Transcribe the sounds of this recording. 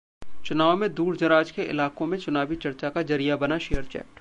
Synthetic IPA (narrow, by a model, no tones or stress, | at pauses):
t͡ʃʊnaːʋmẽd̪uːɾd͡ʒɐɾaːd͡ʒkeʔɪ̰laːkõmẽt͡ʃʊnaːbit͡ʃɐɾt͡ʃakad͡ʒɐɾijabɐnaʃejəɾt͡ʃɛ̰ːʈ